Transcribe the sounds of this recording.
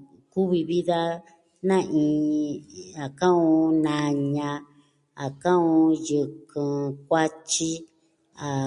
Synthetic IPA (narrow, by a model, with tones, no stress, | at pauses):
ku˦βi˧βi˦ða˦ | nã˦ʔĩ˧ | a˨kã˦õ˧˦nã˧ɲã˧ | a˨kã˦õ˧jɨ˨kɨ̃˨k̚ʷa˦t͡ʃi˦ | a˨